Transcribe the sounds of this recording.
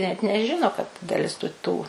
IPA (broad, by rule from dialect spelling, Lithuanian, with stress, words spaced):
nʲɛt nʲɛˈʒʲɪnoː kɐt dɐˈlʲɪs tʊ ˈtuː